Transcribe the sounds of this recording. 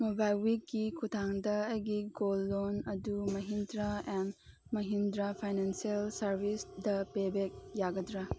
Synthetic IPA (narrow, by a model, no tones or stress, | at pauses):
mobajwikːikʰutʰaŋdɐɐjɡiɡolːonɐdumɐɦindɾaen | mɐɦindɾapʰajnansielsɐɾbʱisdɐpebek̚jaɡɐdɾa